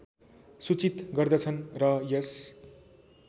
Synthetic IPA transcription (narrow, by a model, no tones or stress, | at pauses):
sut͡sit̪ɡʌrd̪ʌt͡sʰʌnrʌjʌs